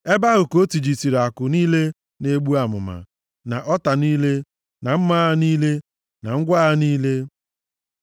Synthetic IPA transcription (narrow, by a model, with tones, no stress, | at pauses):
e˦ba˦ɣʊ˨ko˦ti˨d͡ʒi˨ti˨ɾa˨kʊ˨niː˦le˦ | ne˦ɡ͡bu˦a˨mʊ̰˨ma̰˨ | na˨ʔɔ˦ta˨niː˦le˦ | na˨m̩˦ma˦niː˦le˦ | na˨ŋ̩˦ɡʷa˦a˦niː˦le˦